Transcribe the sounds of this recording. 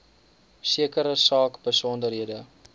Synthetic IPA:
siəkəɾəsɑːkbəsɔndərɦiədə

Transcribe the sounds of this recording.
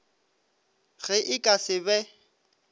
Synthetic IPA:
ɣɛʔɪkʼasɪbɛ

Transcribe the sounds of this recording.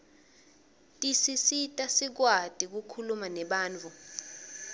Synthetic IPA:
tʼisisitʼasik̬wad̥ʱʼik̬ukʰulumanɛɓaːnt͡fʰʼu

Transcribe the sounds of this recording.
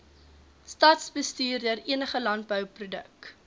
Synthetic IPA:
stɐtsbəstiːrdiəriənəχəlɐnt̚bœwprudə̰k̚

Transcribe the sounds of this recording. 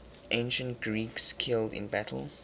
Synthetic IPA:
ʔẽɪ̃nʃə̃ntɡ̥ɹiːkskʰɪldɪ̰̃nbætʰə̰l̩ˠ

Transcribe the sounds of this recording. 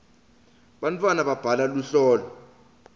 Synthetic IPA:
ɓantʰʼwanaɓab̥ʱalaluɬɔːlɔ

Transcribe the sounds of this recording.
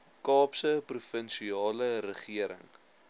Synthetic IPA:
kɑːpsəprufənʃiɑːləɾəχiəɾə̰ŋ

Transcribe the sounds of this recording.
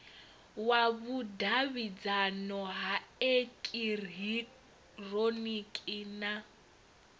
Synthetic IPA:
waβudaβid͡zanɔɦaekʼirɦi | ronikʼina

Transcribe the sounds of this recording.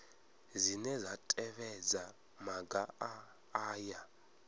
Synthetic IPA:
zinɛzatʼɛβɛd͡za | maɡaa | aːja

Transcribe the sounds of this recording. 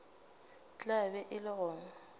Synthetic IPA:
t͡ɬʼabɛʔɪlɪɣɔːŋɔ

